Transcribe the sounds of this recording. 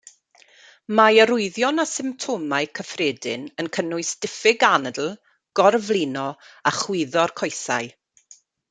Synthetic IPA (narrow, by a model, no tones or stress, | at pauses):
majəɾʊɨðjɔnasɪmptʰomaɨkʰəfreːdɪ̰nənkʰənʊɨsd̥ɪfɪɡanədl̩ˠ | ɡ̥ɔrvlˠinɔaχwɪðɔrkʰɔjθa̰ɨ